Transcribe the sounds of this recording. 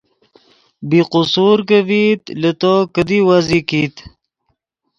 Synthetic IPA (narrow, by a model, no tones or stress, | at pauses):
biqusuːɾkəvit̪lət̪okəd̪iwazikiːt̪